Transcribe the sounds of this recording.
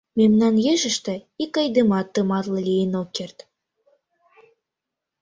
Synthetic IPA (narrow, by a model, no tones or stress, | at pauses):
memnɑnjeʒə̆ʃt̪ɘ̆ikɑjd̪ɤmɑt̪ːɤmɑt̪lˠɤ̆lʲijənokːert̪